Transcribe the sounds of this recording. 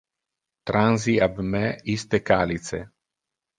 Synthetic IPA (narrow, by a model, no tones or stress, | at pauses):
t̪ɾanziabmɛist̪ekaːlit̪sḛ